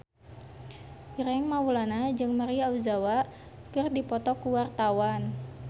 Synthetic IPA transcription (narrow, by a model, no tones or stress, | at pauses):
iɾɛŋmawulanad͡ʒɨŋmaɾiauzawa | kɨrdipɔt̪ɔkuwart̪awan